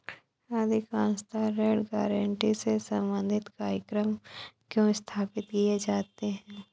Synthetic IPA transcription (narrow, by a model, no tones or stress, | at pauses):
aːd̪ʱikãːnst̪aɾeːɖɡaːɾəɳʈisesə̃mbə̃nd̪ʱɪt̪kaːɾjəkɾəmkjõɪst̪ʰaːpɪt̪kied͡ʒaːt̪eɦɛ̃ː